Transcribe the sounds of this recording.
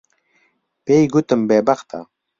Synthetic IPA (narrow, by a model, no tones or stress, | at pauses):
pejɡut̪əmbebaχt̪ʰa̰